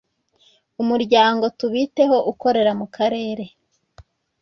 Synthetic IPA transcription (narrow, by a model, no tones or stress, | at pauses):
umuɾɟaːŋɡo̞tuβite̞ho̞ʔuko̞ɾe̞ɾamukaɾe̞ːɾe̞